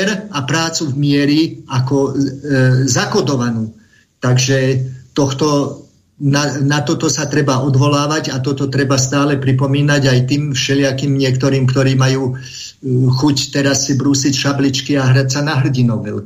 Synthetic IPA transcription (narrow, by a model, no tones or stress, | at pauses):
ɾapɾaːt͡suvmɪɛɾiakɔ | zakɔd̪ɔʋanuː | t̪aɡʒɛt̪ɔxt̪ɔ | nanat̪ɔt̪ɔsat̪ɾɛbaʔɔd̪ʋɔlaːʋaɟat̪ɔt̪ɔt̪ɾɛbast̪aːlɛpɾipɔmiːnaɟajt̪iːmfʃɛlɪakimɲɪɛkt̪ɔɾiːmkt̪ɔɾiːmajuː | xuct̪ɛɾasbɾusicʃablit͡ʃkiaɦɾacsanaɦr̩ɟinɔʋɛ̰l